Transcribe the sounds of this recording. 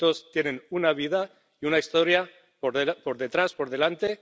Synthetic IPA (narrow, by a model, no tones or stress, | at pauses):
t̪o̞st̪jenẽ̞nunaβ̞iða | iunaist̪o̞ɾja | po̞ɾðe̞t̪ɾaspo̞ɾðe̞lant̪e̞